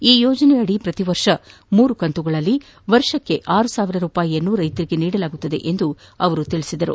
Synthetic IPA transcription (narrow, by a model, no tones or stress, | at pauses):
iːjɔːd͡ʒɐnɛɐɽipɾɐt̪iʋɐɾʂɐ | muːɾukɐnt̪uɡɐɭɐlːi | ʋɐɾʂɐkːe̞ʔaːɾusaːʋiɾɐɾuːpaːjiɐnːuːɾɐjt̪ɐɾiɡe̞niːɽɐlaːɡut̪ːɐd̪e̞̰ʔend̪uɐʋɐɾut̪iɭisid̪ɐɾṵ